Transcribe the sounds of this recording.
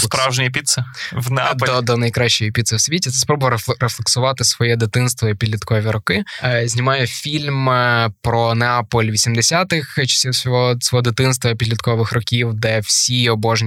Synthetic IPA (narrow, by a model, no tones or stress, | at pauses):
spawʒnʲɪjipʲit̪sɐʋnɛad̪lɔd̪ɔnɐjkɾɑʃʲt͡ʃɔjipʲit̪sɐwsʲʋʲitʲit̪ɛspɾɔbʊjɾeflˠeksʊʋɑt̪ɪsʋɔjɛd̪ɪt̪ɪnst̪ʋɔipʲid̪ʲlʲit̪kɔʋʲiɾɔkɪzʲnʲimɑjɛfʲilʲmpɾɔneapɔlʲʋʲisʲimd̪esʲat̪ɪxt͡ʃɐ̥sʲiwsʲɔɦɔsʲɔɦɔd̪ɪt̪ɪnst̪ʋɔipʲid̪lʲit̪kɔʋɪxrɔkʲiwd̪ɛwsʲiɔbɔʒnʲ